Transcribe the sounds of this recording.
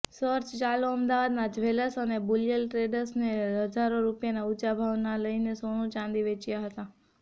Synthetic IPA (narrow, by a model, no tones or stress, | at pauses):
səɾt͡ʃt͡ʃaloəmd̪aʋad̪nad͡ʒʋeləsənebuljəlʈɾeɖəɾsneɦəd͡ʒaɾoɾupjanaut͡ʃabʱaʋnaləinesoɽ̃ũt͡ʃãnd̪iʋet͡ʃjaɦət̪a